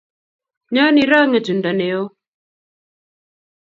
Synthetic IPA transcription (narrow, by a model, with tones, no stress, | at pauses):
ɲɔ˦ni˨ɾa˦ŋɛ˨tu˨nda˨ne˨o˦